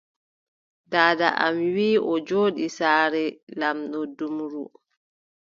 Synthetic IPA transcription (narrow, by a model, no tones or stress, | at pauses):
daːda̰ʔa̰mwiːʔɔd͡ʒoːɗisaːɾɛlamɗɔdumɾṵ